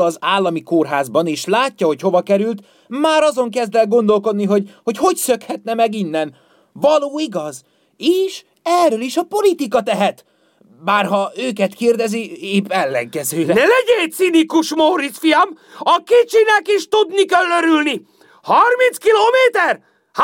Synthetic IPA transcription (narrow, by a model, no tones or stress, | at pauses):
ɒzaːlːɒmikorɦaːzbɒneːʃlaːcːɒɦo̞cho̞vɒkɛɾylt̪ | maːɾɒzo̞ŋkɛzd̪vɛlɡo̞nd̪o̞lko̞d̪niɦo̞ɟho̞cho̞csø̞khɛt̪nɛmɛɡinːɛn | vɒloːiɡɒz | eːʃ | ɛrːøliʃɒpo̞lit̪ikɒt̪ɛɦɛt̪ | baːrɦɒøːkɛt̪keːrd̪ɛzieːbɛlːɛ̰ŋkɛzøːɛnɛlɛɟeːt̪sinikuʃmoɾisfijɒm | ɒkeːt͡ʃinɛkiʃt̪ud̪nikølːøɾylni | hɒrminskiloːmeːt̪ɛr | h